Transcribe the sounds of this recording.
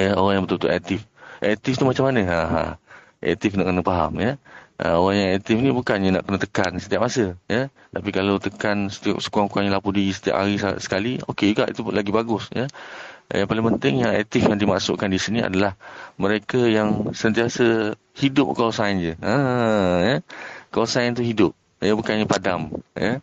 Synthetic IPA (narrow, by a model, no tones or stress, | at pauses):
jəoɣaŋjaŋbət̪ʊlt̪uʔɛk̚t̪ɪfʔɛ̰k̚t̪ɪft̪umat͡ʃamːanəaɦ | ʔɛ̰k̚t̪ɪfnaʔkənəpaɦa̰mjəʔə̰oɣaŋjaŋɛk̚t̪ɪfnibukanjəna̰ʔkənət̪əkansət̪iap̚masəjə | t̪apikalawt̪əkansə̥t̪ia̰p̚sə̥kuaŋkuaŋɲəlapudiɣisə̥t̪ia̰p̚haɾisasə̥kalio̰ked͡ʒuɡa̰ʔḭt̪ulaɡibaɡʊsjə̰ | jaŋpalɪŋpənt̪ɪŋjaŋɛk̚t̪ɪfjaŋdimaʔsʊ̰ʔkandisinia̰dalahməɾekajaŋsənt̪iasə | hidʊp̚kəwasand͡ʒəəjəkəwasaant̪̬uɦidʊp̚ | jəbukanɲəpadamjə